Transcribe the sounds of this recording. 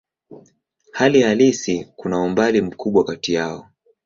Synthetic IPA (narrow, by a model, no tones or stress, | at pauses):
halihalisikunaumbalim̩kuɓwakatijaɔ